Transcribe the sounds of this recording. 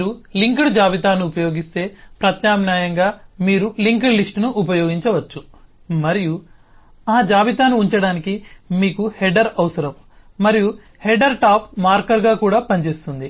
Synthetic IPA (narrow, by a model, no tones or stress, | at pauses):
ɾuliŋkɐɽud͡ʒaːʋit̪aːnuupɐjo̞ːɡist̪e̞ːpɾɐt̪jaːmnaːjɐŋɡaːmiːɾuliŋkɐlisʈnuʔːp̬ɐjoːɡiɲt͡ʃɐʋɐt͡ʃːu | mɐɾiju | aːd͡ʒaːʋit̪aːnuːɲt͡ʃɐɽaːnikimiːkuhɛɖɐɾɐʋɐsɐɾɐm | mɐɾiju | heɖɐɾʈaːpmaːɾkɐɾɡaːkuːɽaːpɐnt͡ʃe̞ːst̪und̪i